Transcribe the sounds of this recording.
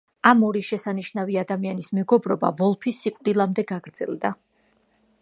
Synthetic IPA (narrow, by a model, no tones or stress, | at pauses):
amɔɾiʃɛsaniʃnaviad̪amianismɛɡɔbɾɔba̰vɔlˠpʰisːikʼd̪ilˠamd̪ɛɡaɡɾd̪zɛ̰lˠd̪a